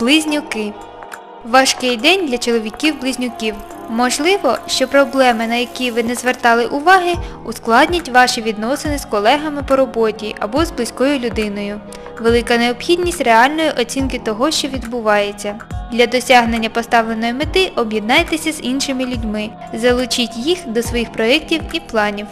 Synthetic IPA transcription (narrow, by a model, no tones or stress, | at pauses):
b̥lˠɪzʲnʲʊkɪ | ʋɑʃkɪjd̪ɛnʲd̪lʲɐt͡ʃɔlˠɔʋʲikʲiwblˠɪzʲnʲʊkʲiw | mɔʒlˠɪʋɔʃt͡ʃɔpɾɔblˠɛmɪnɐjɐkʲiʋɪnɛzʋert̪ɑlˠɪʔʊʋɑɦɪʊsklˠɑdʲnʲɐtʲʋɑʃiʋʲid̪nɔsenɪskɔlˠɛɦɐmɪpɔɾɔbɔtʲiʔɐbɔzblˠɪsʲkɔjʊlʲʊd̪ɪnɔjʊ | ʋelˠɪkɐneɔpxʲidʲnʲisʲtʲreɑlʲnɔjiʔɔt͡sʲinkɪt̪ɔɦɔʃt͡ʃɔʋʲid̪bʊʋɑjet͡sʲːɐ | d̪lʲɐd̪ɔsʲɑɦnenʲːɐpɔst̪ɑʋlˠenɔjimɪt̪ɪʔɔbjed̪̚nɑjt̪esʲɐzinʃɪmɪlʲʊdʲmɪ | zɐlˠʊt͡ʃitʲjixd̪ɔsʋɔjixpɾɔɛk̚tʲiwiplˠɑnʲiw